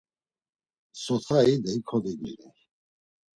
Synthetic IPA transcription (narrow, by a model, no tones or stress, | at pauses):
sɔt͡s̪ʰaid̪ɛikʰɔd̪id̪ḭɾɛ